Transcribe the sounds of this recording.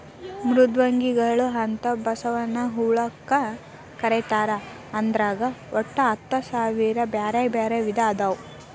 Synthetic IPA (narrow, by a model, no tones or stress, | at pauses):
mɾud̪ʋɐŋɡiɡɐɭuɦɐnt̪ɐbɐsɐʋɐnːɐɦuːɭɐkːɐ | kɐɾet̪aːɾɐː | nd̪ɾaːɡɐɔʈːɐːt̪ːɐsaːʋiːɾɐbjaːɾɐjbaːɾeʋid̪ʱaːd̪ɐw